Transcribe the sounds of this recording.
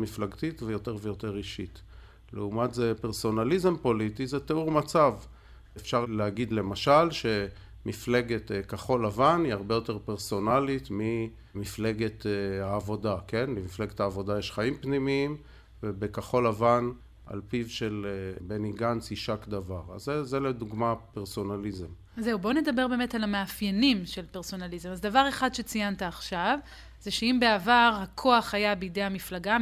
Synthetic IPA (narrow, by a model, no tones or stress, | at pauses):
miflaɡtitvejo̞te̞ʁvejo̞te̞ʁiʃit̪ | lḛumatzepe̞ʁso̞nalize̞mpo̞litizeteuʁmat͡sav | efʃaʁleaɡid̪le̞maʃalʃe̞ | mifle̞ɡe̞tkaχo̞lavaniaʁbejo̞te̞ʁpeʁso̞nalit̪mi | mifle̞ɡe̞thaːvo̞dake̞nlemifle̞ɡethaːvo̞dajeʃχaimpnimiim | vebekaχo̞lavan | ʔa̰lpivʃelebeniɡansiʃakd̪avaʁa̰zezeled̪uɡmapeʁso̞nalizem | zeubo̞ne̞d̪abe̞ʁbe̞ːmetalameafjenimʃe̞lpeʁso̞nalizemazdavaʁe̞χadʃe̞t͡sijantaːχʃav | zeʃeimbe̞avaʁhakʰo̞aχhajabeide̞jhamiflaɡa